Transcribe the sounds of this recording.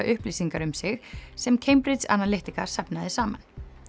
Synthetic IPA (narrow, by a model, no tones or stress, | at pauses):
aʔʏhpliːsiŋkaɾʏmsɪɣsɛmcʰejmpɾɪt̪sa̰nːaleht̪ikaɾ̥sapnaðɪsaːman